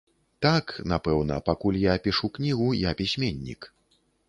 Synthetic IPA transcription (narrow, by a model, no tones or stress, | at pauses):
t̪aknapɛwnɐpakulʲjapʲiʂuknʲiɣujapʲisʲmʲenʲːḭk